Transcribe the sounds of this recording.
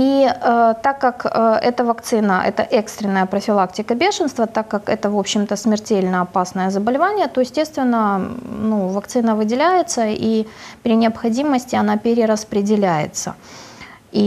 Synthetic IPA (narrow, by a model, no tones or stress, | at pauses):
it̪akːakːɛt̪əvɐkt̪sɨnəʔɛ̰t̪ə̰ʔɛkst̪ɾʲɪnːəjəpɾəfʲɪlˠaktʲɪkəbʲe̞ʂənst̪vət̪akːakɛ̰t̪əvo̞pɕːɪmt̪əsmʲɪrtʲelʲnəɐpasnəjəzəbəlʲɪvanʲɪjət̪o̞jɪsʲtʲe̞st̪vʲɪnːənuvɐkt̪sɨnəvɨdʲɪlʲæjɪt̪səipɾʲɪnʲɪɐpxɐdʲiməsʲtʲɪɐnapʲɪɾʲɪɾəspɾʲɪdʲɪlʲæjɪ̰t̪sə̰ | i